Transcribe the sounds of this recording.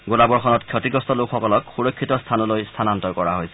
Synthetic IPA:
ɡolabɔɹxɔnɔtkʰjɔtiɡɔstɔlokʰxɔkɔlɔkxuɹɔkʰːitɔst̪ʰanɔlojst̪ʰanantɔkɔɹaɦojsɛ̥

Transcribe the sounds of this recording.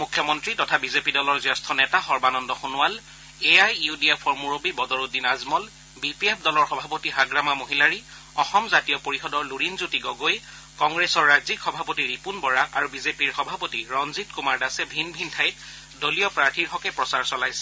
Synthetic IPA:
mukʰjɔmɔntɹitɔtʰabizepidɔlɔɹzɔstʰɔnɛtaxɔɹbanɔndɔxunʊwal | eajudiɛpʰɔɹmuɹobibɔdɔɹudinazmɔl | bipiepʰdɔlɔɹxɔbʱapotiɦaɡɹamamoɦilaɹi | ɔxɔmzatijɔpoɹixɔdɔɹluɹinzutiɡɔɡoj | kɔŋɡɹesɔɹːazikxɔbʱapotiɹipunbɔɹaʔaɹubizepiɹxɔbʱapotiɹɔnzitkumaɹdasɛbʱinbʱintʰajt̚ | dolijɔpɹaɹtʰiɹxɔkɛpɹɔsaɹsɔlajsɛ̥

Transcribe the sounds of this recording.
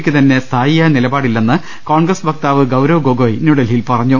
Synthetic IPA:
kʲːɨt̪ɐnːe̞st̪ʰaːjijanilɐbaːɽilːenːɨ | ko̞ːɳɡrɐsbʱɐk̚t̪aːʋɨɡɐwɾɐʋɨɡoːɡoːjinjuɽɐlilpɐrɐɲːu

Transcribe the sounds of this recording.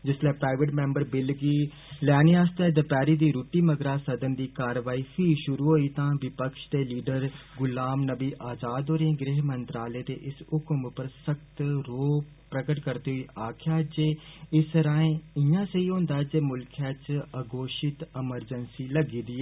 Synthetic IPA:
d͡ʒɪslɛːpɾaːɪʋəʈmẽːmbəɾbɪlɡiː | lɛːniaːst̪ɛːd̪əpɛːɾiːd̪iːɾuːʈːiːməɡɾaːsəd̪ənd̪iːkaːɾʋaːiːfʰiːʃʊɾuːɦoːiːt̪ãːʋɪpəkʃd̪eːliːɖəɾɡʊlaːmnəbiːʔaːd͡ʒaːd̪oːɾẽːɡɾeɦmənt̪ɾaːleːt̪ḛːʔɪsʊkmpəɾsəkt̪ɾoː | pɾəkəʈkəɾt̪eːɦoiːʔaːkʰjaːd͡ʒeːɪsɾãːẽːɪjãːsəiːɦõːnd̪aːɛd͡ʒeːmʊlkʰjaːt͡ʃəɡoːʃɪt̪ɪməɾd͡ʒənsiːləɡiːd̪iːɛː

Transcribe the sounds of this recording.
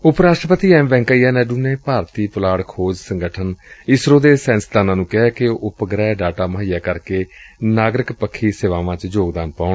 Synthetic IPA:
ʊpɾaːʃʈɾəpət̪iːɛːmbɛ̃ːŋkaːiːaːnɛːɖuːneːpaːɾt̪iːpəlaːɽkʰoːd͡ʒsəŋɡəʈʰənɪsɾoːd̪eːsɛ̃ːnsd̪aːnãːnũːkɛɦɛːkeʊpəɡɾɛːɖaːʈaːməɦijaːkəɾkeːnaːɡɾɪkpəkʰːiːseːʋaːʋãːt͡ʃd͡ʒoːɡd̪aːnpaːʊɳ

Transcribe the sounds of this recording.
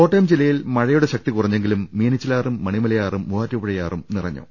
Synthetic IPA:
o̞ːʈːɐjɐmd͡ʑilːɐjilmɐɻɐjuɽeɕɐk̚t̪ikurɐɲːeŋɡilumːiːnit͡ɕːilaːrumːɐɳimɐlɐjaːrumːuʋaːtːupuɻɐjaːrumnirɐɲːo̰ː

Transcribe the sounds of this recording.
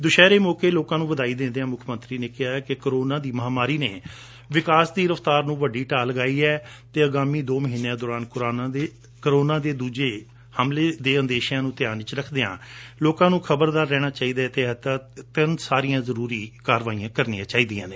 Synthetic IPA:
d̪ʊʃɛːɾeːmoːkeːloːkãːnũːʋəd̪aːiːd̪ẽnd̪eãːmʊkʰmə̃nt̪ɾiːneːkɪɦaːɛːkɪkəɾoːnãːd̪iːməɦaːmaːɾiːneː | ʋɪkaːsd̪iːɾəft̪aːɾnũːʋəɖiːʈaːləɡaːiːɛːt̪eːəɡaːmiːd̪oːməɦiːnːeãːd̪ɔːɾaːnkʊɾaːnae | kəɾoːnãːd̪eːd̪uːd͡ʒeː | həmleːd̪eːənd̪eːʃãːnũːt̪ɪjaːnɪt͡ʃɾəkʰd̪eːã̰ːloːkãːnũːkʰəbəɾd̪aːɾːɛːɽ̃aːt͡ʃaːiːd̪aːt̪eːt̪aːt̪ɪnsaːɾijãːzəɾuːɾiːkaːɾʋaːijãːkəɾnĩːãːt͡ʃaːiːd̪ijãːneː

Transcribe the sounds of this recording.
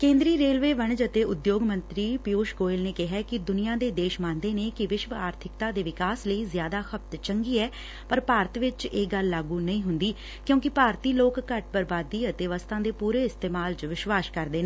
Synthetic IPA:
kẽːnd̪ɾiːɾeːlʋeːʋəɳd͡ʒət̪eːʊd̪joːɡmə̃nt̪ɾiːpɪoːʃɡoːɪlneːkɪɦɛːkɪd̪ʊnijãːd̪eːd̪eːʃmãːnd̪eːneːkɪʋɪʃʋaːɾt̪ʰɪk̚t̪aːd̪eːʋɪkaːsləiːzjaːd̪aːxʰəp̚t̪t͡ʃəŋɡiːɛː | pəɾpaːɾət̪ʋɪt͡ʃeːɡəlːaːɡuːnəĩːɦʊnd̪iː | kjõːkɪpaːɾt̪iːloːkːəʈ̚bəɾbaːd̪iːət̪eːʋəst̪ʰãːd̪eːpuːɾeːɪst̪eːmaːlt͡ʃəʋɪʃʋaːʃkəɾd̪eːneː

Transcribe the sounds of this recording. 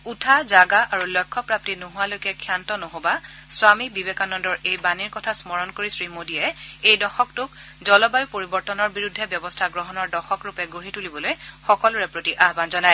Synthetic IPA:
utʰazaɡaʔaɹulɔjkʰːɔpɹap̚tinoɦʊalojkɛkʰjantɔnoɦobaswamibibekanɔndɔɹejbaniɹkɔtʰasmɔɹɔnkoɹisɹimodijɛejdɔxɔk̚tʊk | zɔlɔbajʊpoɹibɔɹtɔnɔɹbiɹudʱːɛbjɔbɔstʰaɡɹɔɦɔnɔɹdɔxɔkɹupɛɡoɹitulibɔlojxɔkɔlʊɹɛpɹotiʔaɦbanzɔnaj

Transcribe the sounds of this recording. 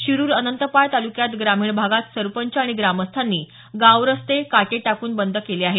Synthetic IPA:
ɕiɾuːɾənənt̪əpajt̪alukjat̪ɡɾamiːɳbʱaɡat̪səɾpəɲt͡ɕaɽ̃iɡɾaməst̪ʰanːiː | ɡawɾəst̪ekaʈeʈakuːnbənd̪ʱəkeleaɦe

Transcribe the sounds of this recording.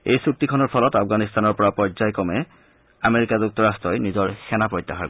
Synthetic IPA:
ejsuk̚tikʰɔnɔɹpʰɔlɔtafʰɡanist̪anɔɹpɔɹapɔɹzajkɔmɛ | ameɹikazuk̚tɔɹastɹɔjnizɔɹsɛnapɹɔjtːaxaɹ

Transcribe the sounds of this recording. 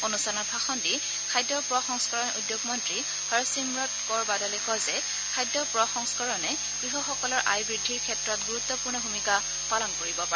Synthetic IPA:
onustanɔt̚bʰʱaxɔndi | kʰajdːɔpɹɔxɔŋskaɹɔnudjoɡmɔntɹi | hɔɹɔsimɹɔtkɔɹbadɔlɛkɔzɛ | kʰajdːɔpɹɔxɔŋskaɹɔnɛ | ɡ̥ɹiɦɔxɔkɔlɔɹʔa̰jbɹidʱːiɹkʰɛtɹɔtɡuɹutːɔpuɹnɔbʱumika | palɔnkoɹibɔpaɛ

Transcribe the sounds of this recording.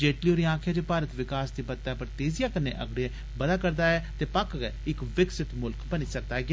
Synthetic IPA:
d͡ʒeːʈlioːɾiãːkʰjãːd͡ʒeːpaːɾət̪ʋɪkaːsd̪iːbət̪ːjaːpəɾt̪eːzijaːkənːḛːʔə̰ɡɽiɛː | bəd̪aːkəɾd̪aːɛːt̪eːpakɡɛɪkʋɪksɪt̪mʊlkbəniːsək̚d̪aːɛːɡɪaː

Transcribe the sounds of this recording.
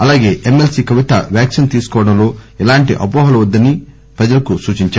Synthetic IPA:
ɐlaːɡe̞ːʔemelsikɐʋit̪ɐ̰ʋjaːksint̪iːsu̥kɔːʋɐɽɐmlo̞ːilaːɳʈiʔɐpɔːɦɐlɐʋɐd̪ːɐni | pɾɐd͡ʒɐlɐkusuːt͡ʃiɲt͡ʃaː

